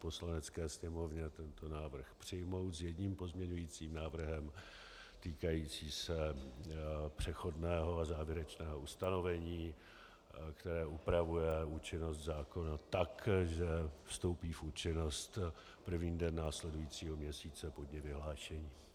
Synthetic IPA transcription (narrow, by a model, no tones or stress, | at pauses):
po̞slanɛt͡skɛːsɲɛmo̞vɲɛt̪ɛnt̪o̞naːvr̩xpr̥ɪjmo̞wt̪zjɛdɲiːmpo̞zmɲɛɲujit͡siːmnaːvr̩ɦɛm | t̪iːkajiːt͡siːsɛ | pr̝̥ɛxo̞dnɛːɦo̞azaːvjɪɾɛt͡ʃnɛːɦo̞ust̪ano̞vɛɲiː | kt̪ɛɾɛːʔupɾavujɛuːt͡ʃɪno̞st̪zaːko̞nat̪akʒɛfst̪o̞wpiːfut͡ʃɪno̞st̪ | pr̩vɲiːdɛnːaːslɛdujiːt͡siːɦo̞mɲɛsiːt͡sɛpodɲɛvɪɦlaːʃɛɲiː